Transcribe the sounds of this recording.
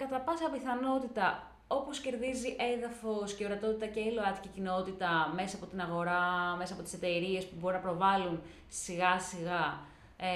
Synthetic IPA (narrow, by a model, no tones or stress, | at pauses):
kɐt̪ɐpɐsɐpiθɐno̞t̪it̪ɐ | o̞posce̞ɾðiziʔe̞ðɐfo̞sceoɾɐt̪o̞t̪it̪ɐceiloɐt̪i̥cicino̞t̪it̪ɐme̞sɐːpo̞t̪inɐɣo̞ɾɐme̞sɐːpo̞t̪i̥se̞t̪e̞ɾie̞spubo̞ɾunɐpɾo̞vɐlun | siɣɐsiɣɐ